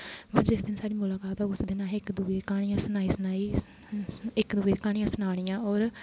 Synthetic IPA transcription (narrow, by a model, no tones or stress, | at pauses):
bəd͡ʒɪsd̪ɪnsaːɽiːmʊlaːkaːt̪ɔːɡʊsd̪ɪnãːɪkd̪uːeːkaːɽ̃ɪjãːsʊnaːiːsʊnaːiː | ɪkd̪uːeːkaːɽijãːsʊnaːɽ̃ɪjãːɔːɾ